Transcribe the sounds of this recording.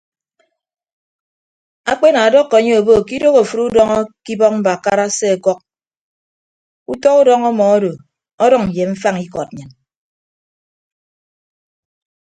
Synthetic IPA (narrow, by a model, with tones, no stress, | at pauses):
a˦k͡pe˦na˨a˨dɔ˦kːɔ˨ɲe˦o˨bo˦˨ki˦do˦ɣo˨fu˨ɾu˦dɔ˦ŋɔ˦ki˦bɔ˦k̚m̩˦ba˨ka˦ɾa˦se˦a˨kɔ˦k̚ | u˦tɔ˦u˦dɔ˦ŋɔ˦mɔ˨ɔ˦do˨ | ɔ˦dɔ˦ŋ̩˨je˨ɱ̩˦fa˦ŋi˦kɔ˨t̚ɲɨ˨n